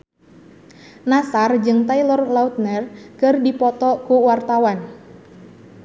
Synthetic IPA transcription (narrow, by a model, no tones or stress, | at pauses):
nasard͡ʒɨŋt̪ailɔrlaut̪̚nərkɨrdipɔt̪ɔkuwart̪awan